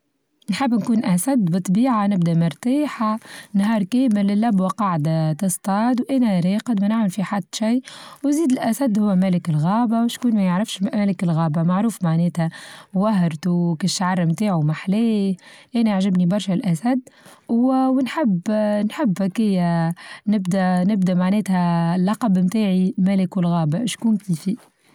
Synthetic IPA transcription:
nħɪbːnkuːnʔæsæd̪bɨt̪ˤːbiːʕanɪbd̪æmʊɾˤt̪aːħanɦɑːɾˤkeːmɪlːɪlːæbwɑqɑʕd̪at̪ɨst̪ˤɑːd̪wʔæːnæɾeːqəd̪mænaʕmɪlfiħad̪ːʃijːwziːd̪ɪlʔæsæd̪hʊwːæmælɪkɪlɣɑːbawɪʃkuːnmæjəʕɾɪfʃmmælɪkɪlɣɑːbamaʕɾuːfmaʕneːt̪hæwæɦɾt̪ukiʕɑrˤːmt̪aːʕumaħleːʔænæaʕʒɪbnibɑɾˤʃælʔæsæd̪ːwwnħɪbnħɪbːækɪjːænɪbd̪ænɪbd̪æmaʕnɛːt̪hælːɑqɑbmt̪aːʕimælɪkwɪlɣɑːbaʃkuːnkiːfi

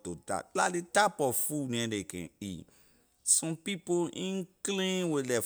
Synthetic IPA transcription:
tota̰tlaletapɔfunĩɛ̃dekɛ̰̃ḭ | sɔ̃pipoʔĩnklĩwelɛ

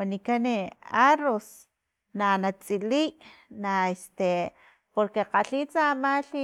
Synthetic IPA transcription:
anikaneaɾos | nanat͡sʼiliːʔnaest̪e | poɾkeqaɬiːt͡samaɬi

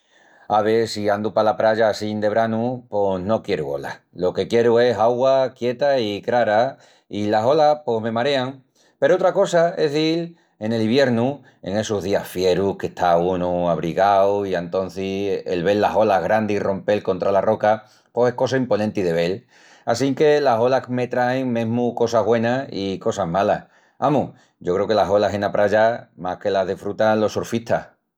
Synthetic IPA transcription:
aβesiand̪upalapɾaʝasind̪e̞βɾanupo̞no̞kje̞ɾuo̞̰la̰ | lo̞ke̞kje̞ɾue̞saɣwakje̞t̪aikɾaɾa | ilaso̞lapo̞ɦme̞maɾe̞aŋ | peɾoot̪ɾako̞sae̞ɦðil | e̞ne̞liβje̞ɾnu | e̞̰ŋe̞soɦðiafje̞ɾuhke̞ht̪ʰaunuaβ̞ɾiɣawient̪õ̞n̟θiḛlβe̞lːaɦo̞laɦɣɾand̪iro̞mpe̞lkõ̞nt̪ɾalaro̞ka | pose̞hko̞saimpo̞nẽnt̪iðe̞β̞e̞l | asiŋke̞laso̞lakme̞t̪ɾaeŋmẽɦmuko̞saβwe̞naiko̞saɦmalah | amu | ɟ͡ʝo̞kɾe̞oke̞laɦo̞lase̞napɾaʝamake̞laɦðifɾut̪anlo̞soɾfit̪ʰa̰h

